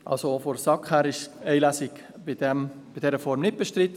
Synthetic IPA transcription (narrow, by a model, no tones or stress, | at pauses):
ʔɑ̰lsofoɾsɑkhæːɾɪʃɛɪlæsɪk | bɪdɛm | b̥ɪdɛɾəfɔɾmnɪt̚b̥ɛʃtɾɪt̪ə